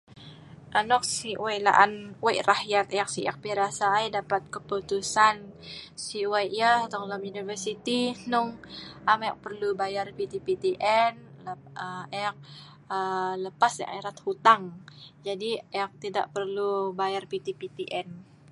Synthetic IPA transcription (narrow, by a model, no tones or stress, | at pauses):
ʔanɔk̚siwala̰ʔanwajʔrahjat̪ak̚siʔɛk̚piɾasajdapat̪̚kəput̪usansiwajʔjat̪ɔŋlamjunifərsit̪inʊŋʔamaak̚pərlubajarpit̪ipit̪iʔɛnəɛk̚ | ələpasa̰ʔaɾat̪̚hut̪aŋd͡ʒadiɛak̚t̪ida̰ʔpərlubajarpit̪ipit̪iʔɛn